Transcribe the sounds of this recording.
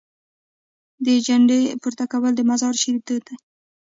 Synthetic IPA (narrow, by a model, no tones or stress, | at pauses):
d̪əd͡ʒaɳɖepuɾt̪akawəld̪əmazɑɾʃiɾit̪əd̪a